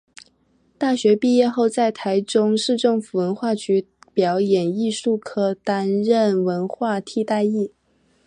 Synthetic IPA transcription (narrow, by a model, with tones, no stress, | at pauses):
t̪a˥˩ɕɥɛ˧˥pi˥˧jɛ˥˧xo˥˧ʊt͡sa˥˩ɪt̪ʰa˧˥ɪʈ͡ʂʊ˥ŋʂɻ̩˥˧ʈ͡ʂɤ˥˩ŋfu˨˩wə˧˥nxwa˥˩t͡ɕy˧˥ | pjɑ˧˥ʊjɛ˨˩ni˥˧ʂu˥˩kʰɤ˥t̪a˥nɻə˥˩nwə˧˥nxwa˥˧t̪ʰi˥˧t̪a˥˧ɪi˥˩